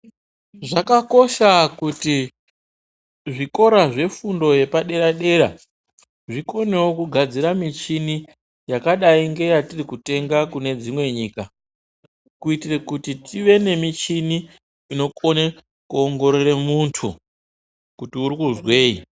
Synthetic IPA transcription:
ʐakako̞ʃakuti | ʐiko̞ɾaʐe̞fundo̞je̞paɗe̞ɾaɗe̞ɾa | ʐiko̞newokuɡʱad͡ziɾamit͡ʃini | jakaɗaiŋɡe̞jatirikute̞ŋɡakune̞d͡zimwe̞ɲiːka | kuitirekutitiʋe̞ne̞mit͡ʃini | ino̞ko̞ne | kuoŋɡo̞ɾeɾemuntʰṵ | kutiuɾikuzwe̞ːḭ

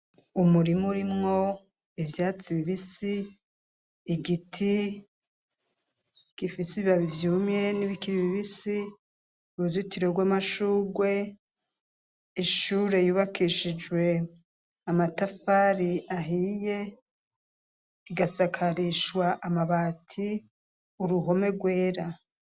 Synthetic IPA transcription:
umuɾimuɾimŋo̞ | ivjaːt͡siβiβisi | ɡitʰi | kifisiiβaβivjuːmje̞niβikiɾiβiβisi | uɾuzitiɾo̞ɡwaːmaʃuːɡwe̞ | iʃuːɾe̞juβakʰiʃid͡ʒwe̞ | amatafaːɾiaɦije̞ | iɡasakʰaɾiʃwaʔamaβaːtʰi | uɾuɦo̞me̞ɡwe̞ːɾa

